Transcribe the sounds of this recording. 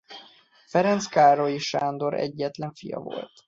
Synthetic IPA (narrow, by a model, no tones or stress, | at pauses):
fɛɾɛnt̪skaːɾo̞jiʃaːnd̪o̞ɾɛ̰ɟːɛt̪lɛɱfijɒ̰vo̞̰lt̪